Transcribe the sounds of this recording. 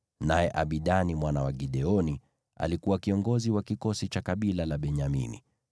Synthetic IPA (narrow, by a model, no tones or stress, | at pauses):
najɛʔaɓiɗanimwanawaɡiɗɛɔni | a̰likuwakiɔŋɡɔziwakikɔsit͡ʃakaɓilalaɓɛɲamḭnḭ